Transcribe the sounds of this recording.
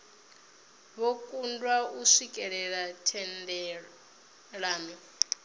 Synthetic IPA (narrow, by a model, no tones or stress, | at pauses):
βokʼundwauʂikʼɛɺɛɺatʰɛndɛ | ɺaːmi